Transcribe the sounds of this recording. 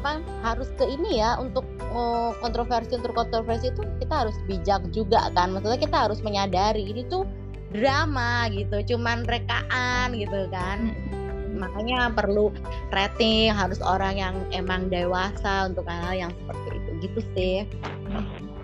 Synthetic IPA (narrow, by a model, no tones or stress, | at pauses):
apa | haɾʊskəinijaʔunt̪ʊk̚ | əkːɔnt̪ɾofersiunt̪ʊkːɔnt̪ɾofɛrsiːt̪ukit̪aɦaɾʊsbid͡ʒak̚d͡ʒuɡa̰kanmasaɲakit̪aɦaɾʊsməɲadaɾiːnit̪u | dɾamaɡit̪ut͡ʃumanɾekaʔanɡit̪ukan | makaɲapərlu | ret̪ɪŋɦaɾʊso̰ɾaŋjaŋemaŋdaiwasaunt̪ʊk̚aaljaŋsə̥pərt̪ḭːt̪uɡit̪usɪh | m̩